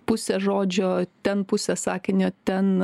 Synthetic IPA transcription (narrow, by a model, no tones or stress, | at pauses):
pʊsʲɛʒoːd͡ʒʲoːt̪ʲɛnpʊsʲɛsɑːkʲɪnʲoːt̪ʲɛn